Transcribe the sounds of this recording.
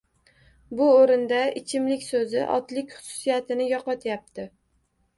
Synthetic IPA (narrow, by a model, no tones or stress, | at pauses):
bʊoɾɪnd̪aɪt͡ʃʰɪmlɪkʲsɵzɪ̰ʔɒ̰t̪lɪkʲχʊ̥sʊ̥sijat̪ʰɪnɪjɒqɒt̪ʰjap̚t̪ʰɪ